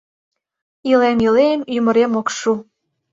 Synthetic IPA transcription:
ilemilemymə̆ɾemokʃu

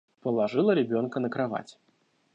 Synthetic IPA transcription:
pəlˠaʐɨlˠəɾʲɪbʲonkənəkɾava̰t͡sʲɪ̥

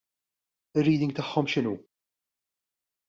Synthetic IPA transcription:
ɪɾːiːd̪ɪ̃ŋɡ̚t̪ɐħːɔmʃɪnṵː

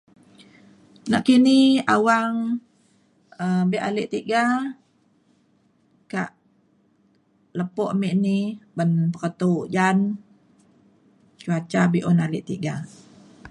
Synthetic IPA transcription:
naʔkiniawaŋ | əbɛʔaleʔt̪iɡa | kaʔ | ləpɔʔmiʔnibənpəkət̪ud͡ʒan | t͡ʃuat͡ʃabiʔɔnaliʔt̪iɡa

